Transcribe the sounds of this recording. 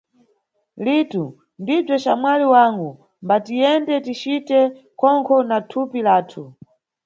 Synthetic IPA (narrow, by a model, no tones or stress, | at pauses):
litu | ndib͡ʐɔt͡ʃamwaliwaŋɡu | mbatijɛndɛtit͡ʃitɛ | kʰɔŋkʰɔnatʰupilaːtʰu